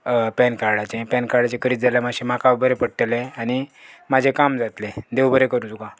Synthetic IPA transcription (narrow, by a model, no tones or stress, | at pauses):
pɛnkaɾɽat͡ɕẽpɛnkaɽat͡ɕẽkəɾiːt̪d͡zalamaɕẽmakabʱəɾepəɽʈəlẽañimad͡ʑʱekamd͡zat̪lẽd̪eʋbʱəɾekəɾũt͡s̪uka